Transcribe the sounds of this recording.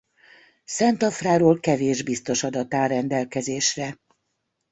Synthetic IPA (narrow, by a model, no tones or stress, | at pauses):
sɛnt̪ɒfraːɾoːlkɛveːʒbist̪o̞ʃɒd̪ɒt̪aːrɛnd̪ɛlkɛzeːʃrɛ